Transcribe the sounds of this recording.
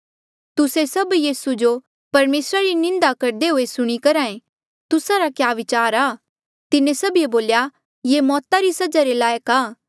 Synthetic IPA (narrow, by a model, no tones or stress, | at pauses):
t̪ʊsesɐbjiːsud͡ʒo | pɐɾmeːsɾaɾinɪ̃nd̪akɐɾd̪eɦoesʊɽ̃ikɐɾaːẽ | t̪ʊsaɾakjaːʋɪt͡ʃaːɾaː | t̪ɪnẽsɐbieboːlja | jemɔːt̪aɾisɐd͡ʒaɾelaːjəkaː